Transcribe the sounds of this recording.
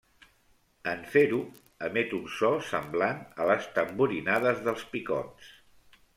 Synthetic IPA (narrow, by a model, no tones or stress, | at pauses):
əɱfeɾu | əmɛt̪unsɔsəmblanələst̪əmbuɾinaðəzðəlˠspikɔ̰ns